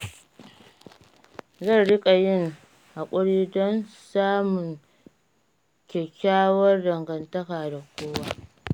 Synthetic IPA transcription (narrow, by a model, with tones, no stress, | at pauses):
zɐ˦˨nɽɪ˦kʼa˨jɪ˦ŋ | ha˨kʷʼʊ˦ɽiː˦dɔ˦nsaː˦mʊ˨ŋ | kʲɛ˨kʲaː˦wɐ˦rdɐ˨ŋɡɐ˨ntɐ˦kaː˨da˨kʷoː˦waː˦